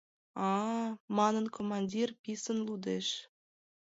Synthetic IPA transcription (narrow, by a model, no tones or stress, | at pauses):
ɑmɑnənkʰomɑnʲdʲirpisənlud̪eʃ